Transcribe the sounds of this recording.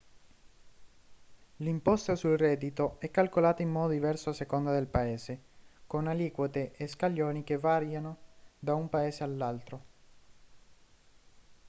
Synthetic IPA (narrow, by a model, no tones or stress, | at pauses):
limpɔst̪asulrɛːd̪it̪oɛkːalkolaːt̪aimːɔːd̪od̪ivɛrsoasekond̪ad̪elpaeːzekonaliːkwot̪eʔeskaʎːoːnikevaɾjanod̪aumpaeːzealːalt̪ɾo